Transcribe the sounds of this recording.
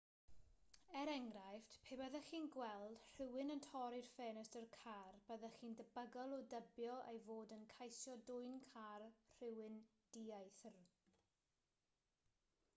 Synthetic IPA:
ɛɾɛŋɡrajftpʰeːbɛðəχiːnɡwɛlˠd̥r̥ɪwɪnəntʰɔɾɪrfeːnəstərkʰarb̥əðəχiːndəbəɡəlˠɔdəbjɔʔejvoːdənkʰajsjɔdʊɨnkʰarr̥ɪwɪn | d̥iajθr

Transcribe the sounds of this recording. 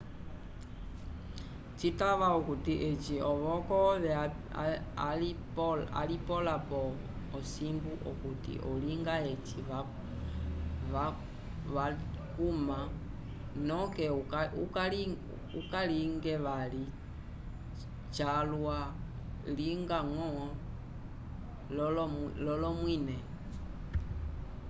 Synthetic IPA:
t͡ʃitaʋaukutiʔɛt͡ʃiɔβɔkɔʋɛ | aipla̰lipɔlapɔ | ɔsimbuʔɔkutḭʔɔliŋɡaɛt͡ʃia | ʋa | ʋakuma | nɔkɛukali | ukaliŋɡɛʋali | t͡ʃalwa | liŋɡaŋɔ | lllɔlɔmwinɛ

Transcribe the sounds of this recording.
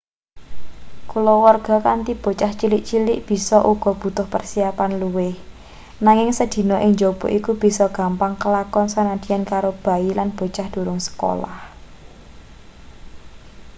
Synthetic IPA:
kulowɔrɡ̥ɔ̤kant̪ib̥o̤t͡ʃaht͡ʃilɪʔt͡ʃilɪʔb̥i̤sɔʔuɡ̥ɔ̤b̥ṳt̪ʊhpərsiapanluwɪh | naŋɪŋsəd̪̥i̤nɔʔɪŋd͡ʒob̥o̤ʔikub̥i̤sɔɡ̥a̤mpaŋkəlakɔnsanad̪̥i̤ankaɾob̥a̤ilanb̥o̤t͡ʃahd̪̥ṳɾʊŋsə̥ko̰la̰h

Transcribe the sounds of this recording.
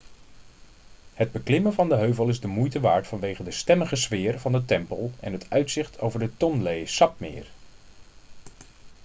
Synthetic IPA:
həd̚bəklɪməvɑndəɦøɥvəlˠɪzdəmujtəʋaːɹtfɑnʋejχədəstɛməχəzʋɪːɹvɑndətɛmpəlˠɛ̰nɦətœɥtsɪχtʰowvəɹdətɔnlejsɑp̚mɪ̰ːr

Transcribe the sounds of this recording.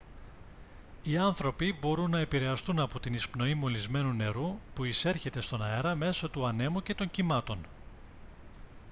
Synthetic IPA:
iɐnθɾo̞pibo̞ɾunːɐe̞piɾe̞ɐst̪unɐpot̪inispno̞imo̞lizme̞nune̞ɾupuise̞ɾçe̞t̪e̞st̪o̞nɐe̞ɾɐme̞sot̪uɐne̞muce̞t̪o̞ɲcimɐt̪o̞n

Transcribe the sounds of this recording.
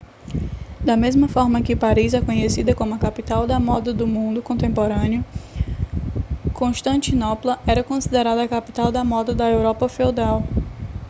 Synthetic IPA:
d̪ɐmezmɐfɔɾmɐkɪpaɾizɛkõɲesid̪ɐkõmʊɐkapit̪awd̪ɐmɔd̪ɐd̪ʊmũnd̪ʊkõnt̪ẽmpoɾɐ̃njʊ | kõʃt̪ɐ̃nt̪inɔplɐɛɾɐkõsid̪eɾad̪ɐɐkapi̥t̪awd̪ɐmɔd̪ɐd̪ɐewɾɔpɐfewd̪aw

